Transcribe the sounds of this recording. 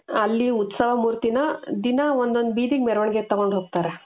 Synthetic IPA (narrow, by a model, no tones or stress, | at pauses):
ɐlːiut̪sɐʋɐmuːɾt̪inɐd̪inɐond̪ond̪biːd̪iɡmeɾʋɐɳɡet̪ːɐɡoɳɖɦoːɡ̚t̪aːɾe